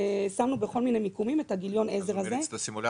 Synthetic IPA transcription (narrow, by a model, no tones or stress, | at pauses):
samnubeχo̞lmine̞mikumime̞thaɡiljo̞nezeʁaze̞si